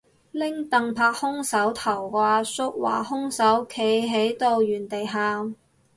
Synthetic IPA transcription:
lɪ˥ŋt̪ɐ˨ŋpʰaː˧k̚hʊ˥ŋsɐ˨˥wt̪ʰɐ˨˩wkaː˧sʊ˥k̚wa̰ː˨˩hʊ˥ŋsɐ˨˥wkʰe˨˥jɦe˨˥jt̪o˧wjyː˨˩nt̪e˨jɦaː˨ŋ

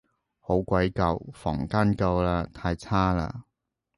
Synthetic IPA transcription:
ho˨˥wkʷɐ˨˥jkɐ˨˧wfɔ̰ː˨˩ŋkaː˥nkɐ˧wlaː˧t̪ʰaː˧jt͡sʰaː˥la̰ː˧

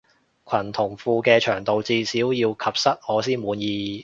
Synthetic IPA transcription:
kʰɐ˨˩nt̪ʰʊ˨˩ŋfuː˧kɛː˧t͡ʃʰœː˨˩ŋt̪o˨wt͡siː˧siː˨˥wjiː˧wkʰɐ˨p̚sɐ˥t̚ŋɔː˨˧siː˥nmuː˨˧njiː˧

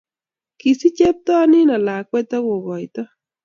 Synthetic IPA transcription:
ki˨si˦t͡ʃe˦p̚t̪ɔ˦nɪ˦na˨la˨k̚wɛ˦t̪a˦ɣo˨ɣɔ˨jt̪ɔ˦

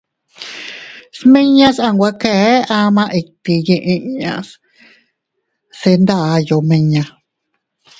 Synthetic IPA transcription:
sme˦ɲã˦sa˧˨ŋɡʷa˧kɛ˧˦a˧mã˧ʔe˧˨k̚t̪i˧je˧˨ʔe˧ɲã̰˧s | se˧nd̪a˧jo˨mẽ˧ɲã˧

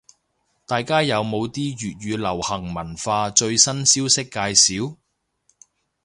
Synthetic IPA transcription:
t̪aː˨jkaː˥jɐ˨˧wmo˨˧wt̪iː˥ɥyː˨t̚jyː˨˧lɐ˨˩whɐ˨˩ŋmɐ˨˩nfaː˧t͡ʃɵ˧ɥsɐ˥nsiː˥wsɪ˥kːaː˧jsiː˨˥w

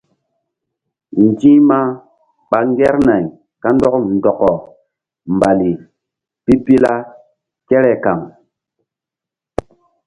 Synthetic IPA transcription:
n˨d͡ʒi˦ma˦ | ɓa˨ŋɡe˦ɾna˨j | ka˦ndɔ˦kn˨dɔ˨kɔ˨ | mba˨li˨ | pi˦pi˦la˦ | ke˦ɾɛ˨ka˨ŋ

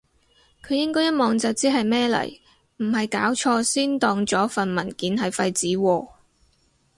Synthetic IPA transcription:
kʰɵ˨˧jɪ˥ŋkɔː˥jɐ˥t̚mɔː˨˧ŋt͡sɐ˨wt͡siː˨˥ɦɐ˨jmɛː˥lɐ̰˨˩j | m̩˨˩ɦɐ˨jkaː˨˥wt͡ʃʰɔː˧siː˥nt̪ɔː˨˧ŋt͡sɔː˨˥fɐ˨nmɐ˨˩nkiː˨˥nɦɐ˨jfɐ˧jt͡siː˨˥wɔː˧

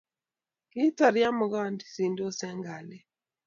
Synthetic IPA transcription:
ki˦ta˨ɾja˦mʊ˨ɡa˦˨ndi˨si˨ndo˦sɛ˦ŋɡa˨lɛ˨

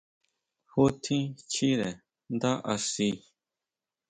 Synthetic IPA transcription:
ho˦t̪ʰĩ˦t͡ʃʰi˦ɾɛ˨ | nd̪a˦ʔa˨˧si˧

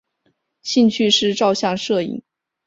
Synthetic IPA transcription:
ɕi˥˧nt͡ɕʰy˥˧ʂɻ̩˥˧ʈ͡ʂɑ˥˧ʊɕjɑ˥˧ŋʂɤ˥˩ḭ˨˩˦ŋ

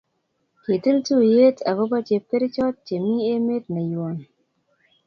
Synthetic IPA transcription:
ke˨tɨ˦ltu˦˨je˦ta̰˨ko˦ba˦t͡ʃe˨p̚ke˦ɾt͡ʃɔ˦t̚t͡ʃe˨mi˦e˦me˦tnə˨ju˨o˨n

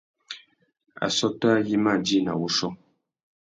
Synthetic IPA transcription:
a̰˨sɔ˦tɔ˦a˦ji˦ma˦˨di˦˨na̰˨wu˦ʃɔ˦

